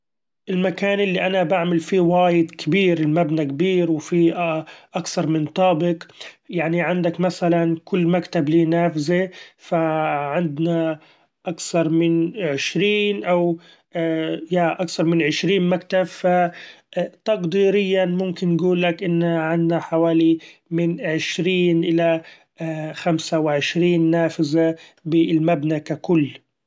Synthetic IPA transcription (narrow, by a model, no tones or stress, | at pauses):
ʔɪlmakaːnʔɪlːiʔanabaʕmalfiwaːjɪd̪kʰabiːɾɪlmabnakabiːɾwfiʔʔakθɑɾˤmɪnt̪ˤɑːbɪqjaʕniʕɪnd̪akmasalankʊlːmakt̪abliːnaːfzifaʕɪnd̪na | ʔakθɑɾˤmɪnʕɪʃɾiːnʔaw | jaʔakθɑɾˤmɪnʕɪʃɾiːnmakt̪abfa | t̪ɑqd̪iːɾɪjːanmʊmkɪnːɡuːlːakʔɪnːaʕɪnd̪naħawaːlimɪnʕɪʃɾiːnʔɪla | xamsawɪʕɪʃɾiːnːaːfɪzabɪlmabnakakʊlː